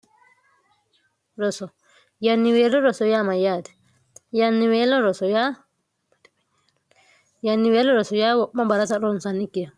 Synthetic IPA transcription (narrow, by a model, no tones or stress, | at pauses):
ɾɔsɔ | janːiwɛlɔɾɔsɔjamajadɛ̥ | janːiwɛlɔɾɔsɔja | janːiwɛlɔɾɔsɔjawɔɓambaɾasaɾɔnsanikːija